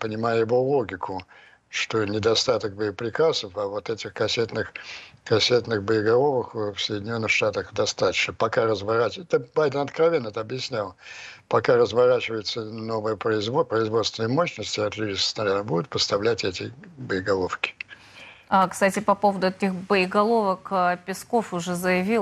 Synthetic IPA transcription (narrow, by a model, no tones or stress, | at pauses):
pənʲɪmajəjɪvo̞lˠo̞ɡʲɪkʰʊ | ʂt̪o̞nʲɪd̪ɐst̪at̪ək̚bəɪpɾʲɪkasəfɐvo̞t̪ɛtʲɪxkɐsʲet̪nɨxkɐsʲet̪nɨxbəɪɡɐlˠovəkfsəjdʲɪnʲo̞nːɨxʂt̪at̪əxd̪ɐst̪at̪ə̥t͡ɕnəpɐkarəzvɐɾaɛt̪əbajd̪ənɐt̪kɾɐvʲenːəɛt̪əɐbjɪsʲnʲalˠpɐkarəzvɐɾat͡ɕɪvəjɪt̪səno̞vəjəpɾəɪzvopɾəɪzvost̪vʲɪnəjəmoɕnəsʲtʲɪɐt̪ɾʲidʲisə̥st̪ɐɾanəbud̪ʊt̪pəst̪ɐvlʲætʲɛtʲɪbəɪɡɐlˠofkʲɪ̥ | akst̪atʲɪpɐpo̞vəd̪ʊɛtʲɪxbəɪɡɐlˠovəkːpʲɪskofʊʐɛzəjɪvʲi